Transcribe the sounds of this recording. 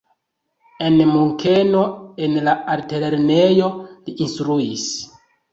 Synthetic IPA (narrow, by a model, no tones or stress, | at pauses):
e̞nmuŋke̞no̞enlaaɾteleɾnejo̞liʔinstɾuis